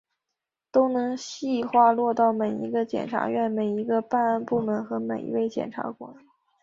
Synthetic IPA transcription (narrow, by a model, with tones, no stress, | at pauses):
t̪o˥ʊnɤ˧˥ŋɕi˥˩xwa˥˧lwɔ˥˧t̪ɑ˥˩ʊme˨˩ɪḭ˧˥ɡə˧t͡ɕjɛ̰˨˩nʈ͡ʂʰa̰˧˥ɥɛ˥˩nme˨˩ɪi˧˥ɡə˧pa˥˧na˥˧npu˥˩mə˧˥nxɤ˧˥me˨˩ɪḭ˧˥we˥˩ɪt͡ɕjɛ̰˨˩nʈ͡ʂʰa̰˧˥kwɔ̰˨˩˦